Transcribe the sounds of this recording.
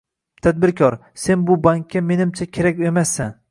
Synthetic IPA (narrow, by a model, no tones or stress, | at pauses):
t̪ʰad̪̚bɪɾkʲʰɒɾ | se̞nbʊbaŋkʲːame̞nɪmt͡ʃʰakʲʰe̞ɾakʲemasːan